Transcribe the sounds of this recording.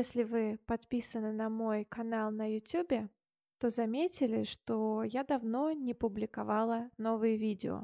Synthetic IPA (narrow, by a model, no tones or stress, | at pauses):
esʲlʲɪvɨpɐt̪pʲisənɨnɐmo̞jkɐnalˠnəjʊtʲubʲɪ | t̪o̞zɐmʲetʲɪlʲɪʂt̪ojad̪ɐvno̞nʲɪpʊblʲɪkɐvɑlˠəno̞vɨjəvʲidʲɪ̰o̰